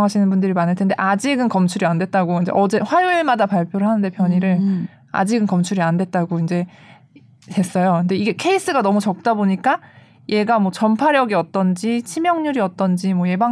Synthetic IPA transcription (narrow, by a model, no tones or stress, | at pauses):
ŋɦaɕʰinɯnbundɯɾimanɦɯɭtʰe̞nde̞ʔad͡ʑiɡɯnkʌmt͡ɕʰuɾiandwe̞t̚t͈aɡoind͡ʑe̞̰ʔʌd͡ʑe̞ɸwajuɭmadapaɭpʰjoɾɯɭɦanɯnde̞pʰjʌɲiɾɯɭ | a̰d͡ʑiɡɯnkʌmt͡ɕʰuɾiandwe̞t̚t͈aɡoind͡ʑe̞ | te̞s͈ʌjokɯndeiɡe̞kʰe̞is͈ɯɡanʌmut͡ɕʌk̚t͈aboɲik͈a | jʔe̞ɡamwʌt͡ɕʌnpʰaɾjʌɡiʌt̚t͈ʌnd͡ʑit͡ɕʰimjʌŋɲuɾiʌt̚t͈ʌnd͡ʑimwʌje̞ba